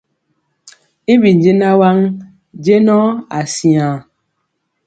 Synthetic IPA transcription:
i˦bi˨n˨d͡ʒe˦na˦wa˦ŋ | d͡ʒe˦nɔ˦a˨si˨a˨

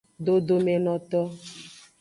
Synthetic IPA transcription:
ɖo˨do˨me˨nɔ̃˨t̪ɔ˦

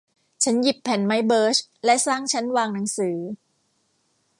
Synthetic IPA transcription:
t͡ɕʰa˦˥nji˨˩pʰːɛ˩˦nma˦˥jbɤː˦˥t͡ɕlɛ˦˥saː˥˩ŋt͡ɕʰa˦˥nwaː˧ŋna˩˦ŋsɯː˩˦

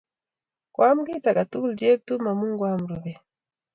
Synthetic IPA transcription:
kwa˦m̩˦ɡi˦ta˨ɡa˨tu˦lɟe˦b̚tu˦ma˨mu˦ŋɡwa˦m̩˨ɾu˨βɛ˨

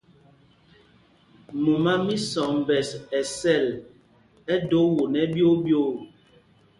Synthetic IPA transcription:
mo˨ma˦mi˦sɔ˨m˨bɛ˨sɛ˨sɛ˦˨l | ɛ˦do˨˦wo˨nɛ˦bjo˦bjo˦˨

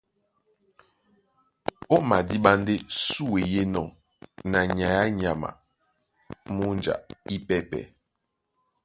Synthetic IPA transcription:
ɔ˦ma˨di˦ɓa˦nde˦su˦˨we˨je˦nɔ˨ | na˨ɲa˨ja˦ɲa˨ma̰˨ | mu˦nd͡ʒa̰˨i˦pɛ˦pɛ̰˨

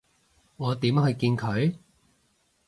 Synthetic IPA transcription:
ŋɔː˨˧t̪iː˨˥mhɵ˧ɥkiː˧nkʰɵ˨˧ɥ

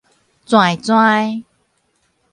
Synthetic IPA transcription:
t͡swã˨˩jt͡swã˧j

